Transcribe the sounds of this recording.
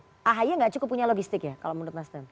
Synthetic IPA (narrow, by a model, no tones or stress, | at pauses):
ʔaɦajaŋɡaʔt͡ʃukʊpːuɲaloɡist̪ɪkjakaloʔmund̪ʊt̪̚nast̪ɛn